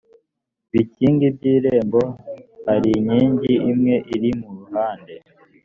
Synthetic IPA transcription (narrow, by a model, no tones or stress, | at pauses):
βiciːŋɡibɟiːɾe̞ːmbo̞haɾiɲiːɲɟiimŋe̞ʔiɾimuɾuɦaːnde̞